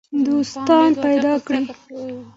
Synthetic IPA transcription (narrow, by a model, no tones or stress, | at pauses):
d̪ost̪ɑnpajd̪ɑkɽi